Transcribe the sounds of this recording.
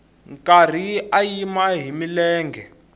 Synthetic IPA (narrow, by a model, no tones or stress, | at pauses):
ŋkar̤iajimaɦimilɛːŋɡʱɛ